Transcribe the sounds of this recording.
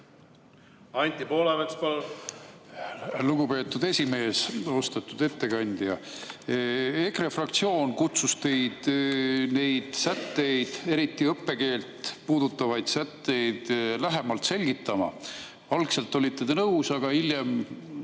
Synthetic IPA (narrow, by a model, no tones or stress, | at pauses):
ɑnʲt̪ʲipoːlemek̪spolː | luɡupe̞ːt̪ːˑud̪e̞sʲime̞ːso̞st̪et̪ːˑud̪e̞t̪ːe̞kɑnʲd̪̥jɑ | e̞krefrɑkt̪sio̞ːnkut̪sust̪e̞jd̪̥ne̞jd̪̥sæt̪ːe̞jd̪̥e̞ɾit̪ːˑiɤpːe̞ke̞ːlt̪puːd̪ut̪ːˑɑvɑjd̪sæt̪ːe̞jd̪̥læɦe̞mɑlt̪se̞lʲɡit̪ːˑɑmɑ̰ | ɑlkse̞lt̪ːˑo̞lit̪ˑːe̞d̪̥enɤwsɑɡ̥ɑiljem